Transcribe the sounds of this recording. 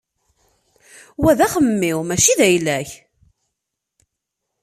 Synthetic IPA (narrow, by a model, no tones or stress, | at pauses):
wæðæχəmːɪwmæʃiðæjlæç